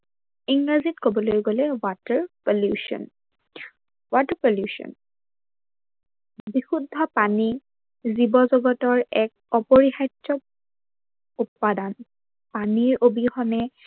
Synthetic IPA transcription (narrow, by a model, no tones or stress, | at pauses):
iŋɹazitkobɔlojɡolɛwatəɹpɔljuʃɔ̰n | watəpɔljusɔ̰n | bixudʱːɔpani | zibɔzɔɡɔtɔɹɛk̚ɔpoɹixajtːɔ | upːadan | paniɹʔobixɔnɛ